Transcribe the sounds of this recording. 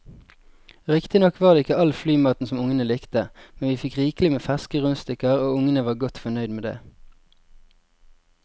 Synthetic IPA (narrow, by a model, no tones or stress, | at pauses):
ʁɪkt̪ɪnɔkʋɑːʁeːɪkəɑlflyːmɑːt̪n̩sɔmʊŋənəlɪkt̪əmɛnʋiːfɪkʁiːklɪmeːfæskəʁʉnst̪ɪkəʁoːʊŋənəʋɑːʁɡɔt̪fɔnœʏd̪meːd̪ḛː